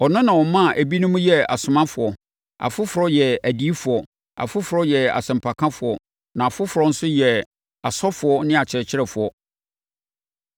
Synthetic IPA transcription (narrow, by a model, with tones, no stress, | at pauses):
ɔ˨nʊ̃˦nã˨wɔ˨˦mːã˦˨ʔæ˨bi˦nʊ̃˦mũ˦jɛ˦a̰˨sʊ˨mã˦fʊ˨ɔ˨ | a̰˨fʊ˦fʊ˨ɾɔ˦jɛ˨æ˨di˦i˦fʊ˨ɔ˨ | a̰˨fʊ˦fʊ˨ɾɔ˦jɛ˨a̰˨sɛ̃˨m̩˨pʰa˨kʰã˦fʊ˨ɔ˨ | nã˨a˨fʊ˦fʊ˨ɾɔ˨˦n̩˦sʊ˦jɛ˨ | a˨sɔ˦fʊ˨ɔ˦nɪ̃˦a˨t͡ɕʰɪ˨ɾɛ˨t͡ɕʰɪ˦ɾɛ˨fʊ˨ɔ˨